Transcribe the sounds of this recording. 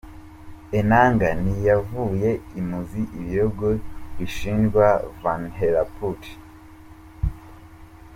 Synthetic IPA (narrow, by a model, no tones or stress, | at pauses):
enaːŋɡanijavuːje̞imuziʔiβijoɡoβiʃiːnɡwavanɦelaput